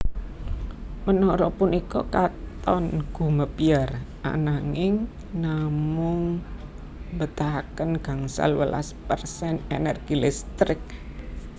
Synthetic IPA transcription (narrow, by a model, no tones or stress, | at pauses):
mənɔɾɔpunikɔkat̪ɔnɡ̥ṳməpiarʔa̰naŋɪŋ | namʊŋ | bət̪aɦakənɡ̥a̤ŋsa̰lwəla̰spərsɛnenərɡ̥ilɪst̪ɾɪk̚